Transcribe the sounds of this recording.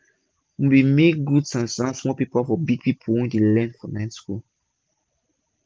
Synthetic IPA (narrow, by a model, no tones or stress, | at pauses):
wbimek̚ɡudsãnsãsmɔpipəlfɔbiɡ̚pipʰəlwɛ̃ntulɛ̃nfɔnãɪtskul